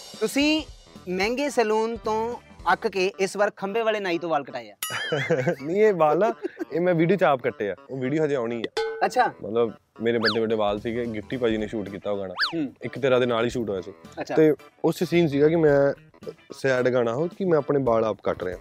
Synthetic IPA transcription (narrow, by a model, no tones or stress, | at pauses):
t̪ʊsĩː | mɛ̃ːŋɡeːsɛːluːnt̪õː | əkkeːʔɪsʋəɾkʰəmbeːʋaːleːnaːiːt̪õːbaːlkəʈaːeaː | nə̃ːeːbaːlnaːeːmɛ̃ːʋiːɖioːt͡ʃaːp̚kəʈːeːaːoːʋiːɖioːɦəːd͡ʒeaːʊnĩːɛːət͡ʃʃʰaːmʔə̰t̪ləb | meːɾeːbənd̪eːəɖeːbaːlsiːɡeɡɪfʈiːpaːd͡ʒiːneːʃuːʈkiːt̪aːoːɡaːɽaːɪkt̪eɾaːd̪eːnaːliːʃuːʈɦoːaːsiːʃʰt̪eːʊst͡ʃsiːns̬iːɡaːk̬ɪmɛ̃ː | sɛːɖɡaːɽaːɦoːkɪmɛ̃ːəpɳeːbaːlaːpkəʈɾḛːã̰ː